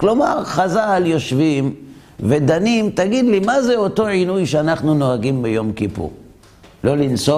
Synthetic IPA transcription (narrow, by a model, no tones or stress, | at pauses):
klomaʁχazaljo̞ʃvim | ved̪animt̪aɡid̪limazeoto̞ʕinujʃeanaχnuno̞aɡimbejo̞mkipṵʁ | lo̞lint͡so